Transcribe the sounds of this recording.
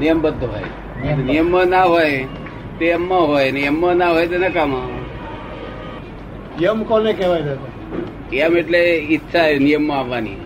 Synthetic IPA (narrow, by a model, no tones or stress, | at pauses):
nijəmbəd̪ʱːoɦo̰j | t̪nijəmːənaɦoj | t̪eəmːaɦojnijəmːənaɦojt̪̬enakama | jəmkonekɛʋajd͡ʒat̪a | əmeʈleitːʃʰanijəmːəaʋːanḭ